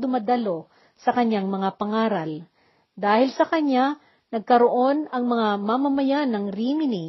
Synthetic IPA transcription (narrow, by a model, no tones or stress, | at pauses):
d̪ʊmɐd̪ɐlo̞ | sɐkɐɲaŋmɐŋapɐŋaːɾɐl | d̪aːhɪlsɐkɐɲa | nɐɡ̚kɐɾoʔo̞nɐŋmɐŋamamɐmɐjanɐŋɾiːmɪni